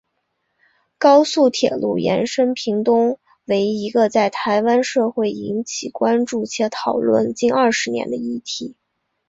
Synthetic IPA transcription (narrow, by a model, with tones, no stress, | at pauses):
kɑ˥ʊsu˥˩t̪ʰjɛ̰˨˩lṵ˥˩jɛ̰˧˥nʂə˥npʰi˧˥ŋt̪ʊ˥ŋ | we˧˥ɪi˧˥ɡə˧t͡sa˥˩ɪt̪ʰa˧˥ɪwa˥nʂɤ˥˧xwe˥˩ɪi˧˥nt͡ɕʰi˨˩kwa˥nʈ͡ʂu˥˩t͡ɕʰjɛ˧˥t̪ʰɑ˨˩ʊlwə̰˥˩nt͡ɕi˥nɐ˞˥˩ʂɻ̩˧˥njɛ̰˧˥nd̪ə˧i˥˩t̪ʰi˧˥˦